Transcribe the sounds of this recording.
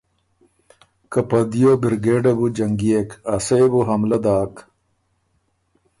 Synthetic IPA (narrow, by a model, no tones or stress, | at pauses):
kɐpɐd̪ijobiɾɡeːɖɐbud͡ʑɐŋɡijekasejbuɦɐmlɐd̪aːk